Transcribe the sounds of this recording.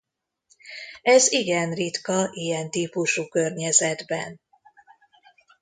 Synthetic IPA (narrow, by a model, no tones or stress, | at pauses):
ɛziɡɛnrit̪kɒʔijɛnt̪iːpuʃuːkørɲɛzɛd̪bɛ̰n